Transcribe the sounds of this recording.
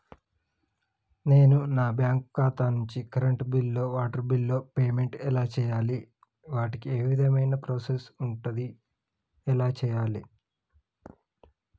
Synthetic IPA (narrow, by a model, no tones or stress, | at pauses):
ne̞ːnunaːbjaːŋkkaːt̪aːnuɲt͡ʃikɐɾɐɳʈbilːo̞ːʋaːʈɐɾbilːo̞ːpeːme̞ɳʈɛlaːt͡ʃɛːjaːli | ʋaːʈikieːʋid̪ʱɐmɐjnɐpɾoːsesuɳʈud̪i | ɛlaːt͡ʃɛːjaːli